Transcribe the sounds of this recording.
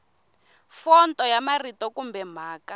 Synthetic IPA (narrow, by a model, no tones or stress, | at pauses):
fɔntʼɔjamaritɔkumbɛm̤aːka